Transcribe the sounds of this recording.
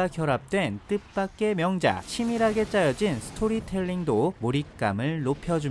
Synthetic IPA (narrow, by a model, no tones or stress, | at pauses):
akjʌɾap̚t͈we̞nt͈ɯp̚p͈ak̚k͈e̞mjʌŋd͡ʑa̰t͡ɕʰimiɾɦaɡe̞t͡ɕ͈ajʌd͡ʑinsʰɯ̥tʰoɾitʰe̞ɭːiŋdomoɾik̚k͈amɯɭːopʰjʌd͡ʑum